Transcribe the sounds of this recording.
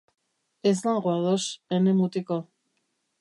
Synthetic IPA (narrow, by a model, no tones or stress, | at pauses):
eslaŋɡoaðosenemut̪iko